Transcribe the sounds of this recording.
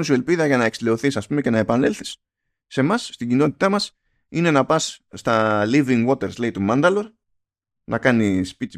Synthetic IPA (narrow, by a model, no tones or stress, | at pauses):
nisie̞lpiðɐʝɐnɐe̞ksile̞o̞θisɐspume̞ce̞nɐe̞pɐnelθi̥sː | e̞mɐsːt̪iɲɟino̞t̪i̥t̪ɐmɐs | ine̞nɐpɐsːt̪ɐliviŋɡwo̞t̪e̞ɾzlɐit̪umɐnd̪ɐlo̞ɾ | nɐkɐnispit̪i